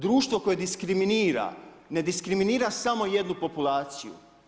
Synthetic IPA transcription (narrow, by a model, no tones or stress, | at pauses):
d̪ɾuːʃt̪ʋo̞ko̞jed̪iskɾiminiːɾa̰ | ne̞d̪iskɾiminiːɾasamo̞je̞d̪nupo̞pulˠaːt̪sijṵ